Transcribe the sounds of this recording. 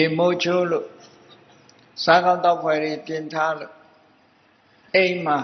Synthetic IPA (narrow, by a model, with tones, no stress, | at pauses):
e˨mo˦t͡ɕʰo˦lo˦˨ | sã˦kã˦ʊ̃t̪a˦˨ʊpʰwɛ˨ɾe˨pjɪ̃˨nt̪ʰa˦ðu˨ | ẽ˦ma˨